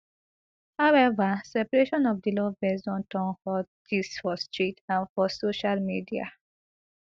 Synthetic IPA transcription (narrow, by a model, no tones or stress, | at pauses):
hawɛvəsɛpəɹeʃɔ̃nɔvd̪ilovbɛzɔ̃ntãnfɔdisfɔstɹitãfɔsoʃalmidia̰